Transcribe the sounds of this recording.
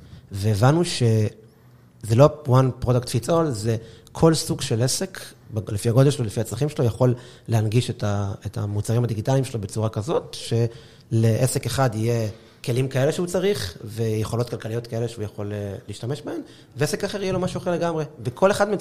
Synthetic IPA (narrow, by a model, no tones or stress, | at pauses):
veːvanuʃe̞ | zelo̞wanpʁodakt̪fit͡solzekʰo̞lsuɡʃe̞lesek | blefiaɡo̞d̪elʃelolefiat͡slaχimʃelojaχo̞lː | ehanɡiʃetaetʰa̰mut͡saʁimad̪iɡitalimʃelobet͡suʁakazo̞tʃe̞ | le̞ʔese̞keχad̪ije̞ | ke̞limkae̞leʃeut͡saʁiχve̞jeχo̞lotkalkalijo̞t̪kae̞leʃeujaχo̞leliːʃtameʃbahe̞m | veesekaχeʁijelo̞maʃuaχeʁle̞ɡamʁe̞vekʰoleχadme